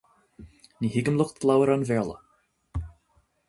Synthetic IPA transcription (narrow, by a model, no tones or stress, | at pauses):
niːhɪɡəmlˠʊxt̪̚lˠawəɾanvɛːlˠə̰